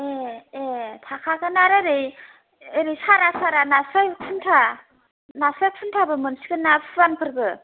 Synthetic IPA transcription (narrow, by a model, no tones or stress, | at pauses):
eetʰakʰaɡɯnaɾɯɾɯj | eɾisaɾasaɾanasɔjkʰɯntʰa | nasɔjkʰɯntʰabɯmɯnsiɡɯnapʰɯbanpʰɯɾbɯ